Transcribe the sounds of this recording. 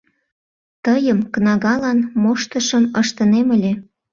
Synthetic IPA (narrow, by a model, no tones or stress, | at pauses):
t̪əjəmknɑɣɑlɑnmoʃt̪əʃəməʃt̪əneməlʲe